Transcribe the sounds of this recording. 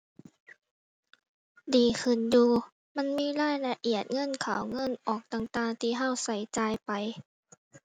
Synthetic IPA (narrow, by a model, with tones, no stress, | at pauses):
diː˨˩kʰɯ˨˩njuː˧ | ma˧˥˨nmiː˧˥˨laː˧˥˨jla˧ʔi˨˩ət̪̚ŋɤ˧˥˨nkʰa˨˩˦wŋɤ˧˥˨nʔɔː˨˩k̚t̪aː˨˩ŋt̪aː˧ŋt̪ʰiː˧ɦa˧˥˩wsa˨˩jt͡ɕaː˧jpa˨j